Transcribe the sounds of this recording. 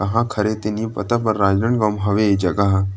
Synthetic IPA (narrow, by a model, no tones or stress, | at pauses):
ɐɦãkʰɐɾet̪enipɐ̰t̪apɐɾːaːd͡ʒnəɳɡɔːmɦɐʋed͡ʒɐɡaɦ